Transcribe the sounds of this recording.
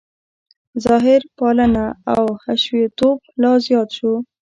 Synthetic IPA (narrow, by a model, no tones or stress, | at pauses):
zɑɦɪɾpɑlənaawhaʃwet̪oblɑzjɑt̪ʃo